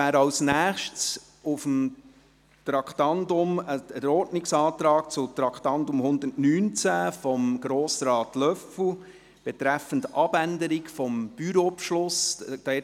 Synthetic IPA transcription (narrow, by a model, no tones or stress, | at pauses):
æːɾɑlsnæːχʃts | ʊfəm | tɾɑkʰt̪ɑndʊməəɾɔɾtnɪksɑːt̪ɾɑːkt͡sʊt̪ɾɑkχt̪ɑntʊmhʊnd̪ətnyːnt͡sæːfɔmɡ̥ɾoːsɾɑːtlœfʊ | b̥ɛtɾæfəntɑb̥ændəɾɪkfɔmb̥yɾopʃlʊsd̥ɛ